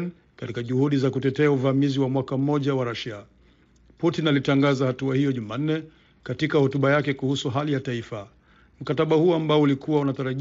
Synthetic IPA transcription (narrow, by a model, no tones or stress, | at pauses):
n | katikaʄuhuɗizakutɛtɛauvamiziwamwakam̩mːɔʄawaɾaʃa | putinalitaŋɡazahatuahijɔʄuman̩nːɛ | katikahɔtuɓajakɛkuhusuɦalijataifa | m̩kataɓahuɔambaɔulikuwaunataɾaʄ